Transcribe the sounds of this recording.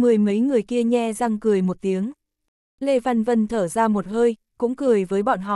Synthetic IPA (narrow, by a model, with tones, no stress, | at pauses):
mɨ˨˩əjmə˨˦jŋɨ˨˩əjki˧əɲɛ˧za˧ŋkɨ˨˩əjmo˨˩t̚t̪i˨˦əŋ | le˧va˧nvə˧nt̪ʰəː˧˩zaː˧mo˨˩t̚həː˧j | kʊ̰˧˥ŋ͡mkɨ˨˩əjvəː˨˦jɓɔ̰˧˨nɦɔ̰˧˨˩